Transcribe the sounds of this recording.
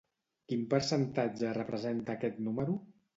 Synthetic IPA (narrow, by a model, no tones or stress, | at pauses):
kimpəɾsənt̪ad͡ʒərəpɾəzent̪əːkɛt̪numəɾu